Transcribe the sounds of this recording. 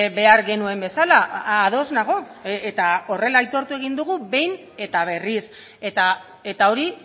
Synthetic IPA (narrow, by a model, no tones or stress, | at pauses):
βe̞aɾɣe̞nue̞mbe̞salaːðo̞znaɣo̞ | et̪ao̞re̞laijt̪o̞ɾt̪ue̞ɣ̞ind̪uɣ̞uβe̞jn | e̞t̪aβ̞e̞ris | et̪a | et̪ao̞ɾi